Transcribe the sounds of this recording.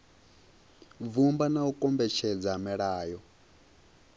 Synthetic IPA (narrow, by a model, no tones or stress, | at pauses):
vumbanaukʼɔmbɛt͡ʃʰɛd͡zamɛɺaːjɔ